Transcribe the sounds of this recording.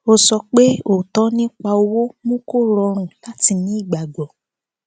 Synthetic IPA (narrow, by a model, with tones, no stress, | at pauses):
o˧sɔ˧k͡pe˦o˨tɔ˦nĩ˦k͡pa˧o˧wo˦mũ˦ko˦˨ɾɔ˧ɾ̃ũ˨la˦ti˧nĩ˦i˦˨ɡ͡ba˨ɡ͡bɔ˨